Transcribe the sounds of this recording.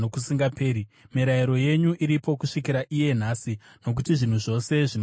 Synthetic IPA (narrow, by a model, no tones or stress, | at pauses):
okusiŋɡapeːɾimiɾaiɾo̞je̞ɲuʔiɾipo̞kuʂikiɾaʔije̞n̤asi | no̞k̬utiʐin̤uʐo̞se̞ʐin